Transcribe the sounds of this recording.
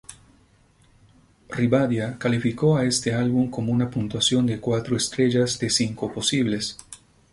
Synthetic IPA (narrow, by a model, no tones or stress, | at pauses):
riβaðjakalifikoaest̪ealβuŋkomounapunt̪wasjo̞nd̪ekwat̪ɾoest̪ɾeʝazd̪esiŋkoposiβles